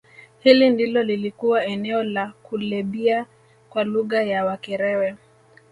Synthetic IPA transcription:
hilindilɔlilikuwaɛnɛɔlakulɛɓia | kwaluɣajawakɛɾɛwɛ

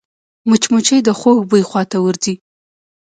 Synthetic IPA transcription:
mʊt͡ʃmut͡ʃəjd̪əxoɡbujxwɑt̪awʊɾzi

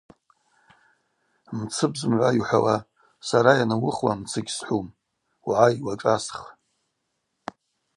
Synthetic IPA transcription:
mt͡sʰɨbzɨmʕʷaiħʷawa | saɾajanawʊχwamt͡sʰɨɡʲsħʷum | wʕaiwaʈ͡ʂʼasχ

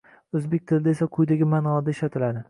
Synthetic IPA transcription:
ɵzbek̚ʲt̪ʰɪlɪd̪ae̞saqʰʊjd̪aɡʲɪmanɒd̪aɪʃat̪ʰɪlad̪ɪ

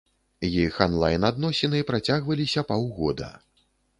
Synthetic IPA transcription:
jixanlˠa̰jnad̪nɔsʲɛnɨipɾat͡sʲaɣvɐlʲisʲɐpawɣɔ̰d̪ɐ̰

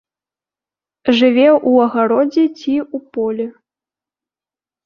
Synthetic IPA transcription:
ʐɨvʲɛʔuɐɣaɾɔd͡zʲɛt͡sʲiupɔlʲɛ

